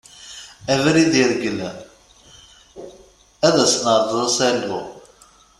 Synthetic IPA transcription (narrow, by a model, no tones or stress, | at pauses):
ævɾiðiɾɡəlæ̰ | æðæsnəɾˤðˤəsælṵ